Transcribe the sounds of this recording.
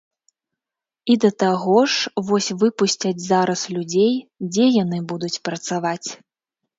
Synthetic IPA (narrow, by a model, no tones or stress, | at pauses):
id̪ɐt̪aɣɔʂvɔsʲvɨpusʲt͡sʲɐd͡zʲzaɾɐslʲud͡zʲejd͡zʲɛjan̪ɨbud̪ut͡sʲpɾɐt̪savat͡sʲ